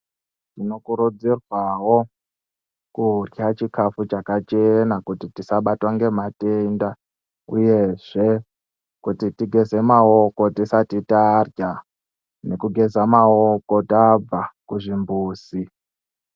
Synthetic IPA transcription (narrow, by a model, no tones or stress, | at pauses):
tino̞kuɾud͡zirwawo̞ | kurjat͡ʃikafut͡ʃakat͡ʃenakutitisaɓatwaŋɡe̞matenda | ṵje̞ʐ̥e̞ | kutitiɡʱe̞ze̞mao̞ko̞tisatitarja | ne̞kuɡʱe̞zamao̞ko̞tab͡vakuʐimbuːsi